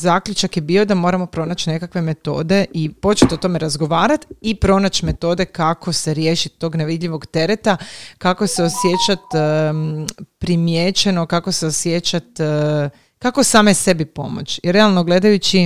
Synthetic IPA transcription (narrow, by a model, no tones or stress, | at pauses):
zaːkʎut͡ʃakjebiːo̞d̪amo̞ːɾamo̞pɾo̞nat͡ɕne̞kakʋe̞me̞t̪o̞̰ːd̪e̞ʔipo̞t͡ʃet̪o̞t̪o̞me̞ɾazɡo̞ʋaːɾat̪ipɾo̞nat͡ɕme̞t̪o̞d̪e̞kakʰose̞ɾje̞ːʃit̪ːo̞ːɡneʋid̪ʎiʋo̞ɡt̪e̞ɾet̪akako̞se̞o̞sje̞t͡ɕat̪ | pɾimjet͡ɕeno̞kakoseosjet͡ɕat̪ | kako̞saːmese̞bipo̞̰mo̰t͡ɕiɾealˠno̞ɡle̞d̪ajut͡ɕi